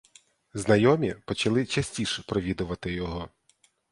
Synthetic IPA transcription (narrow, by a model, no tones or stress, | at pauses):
znɐjɔmʲipɔt͡ʃɐlˠɪt͡ʃɐsʲtʲiʃɛpɾɔʋʲid̪ʊʋɐt̪ɪjɔɦɔ